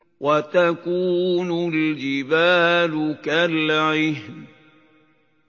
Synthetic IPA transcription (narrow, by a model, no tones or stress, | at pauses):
wat̪akuːnʊld͡ʒɪbaːlʊkalʕɪhm